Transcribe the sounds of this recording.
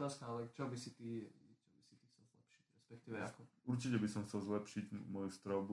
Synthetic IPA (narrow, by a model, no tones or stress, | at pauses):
nast̪aːlɛt͡ʃɔbisit̪iːt͡ʃɔbisit̪iːxt͡sɛlzlɛ̰pʃi̥cɾɛspɛk̚t̪iːʋɛakɔuɾt͡ʃicɛbisɔmxt͡sɛlzlɛpʃiɟmɔjust̪ɾɔʊbu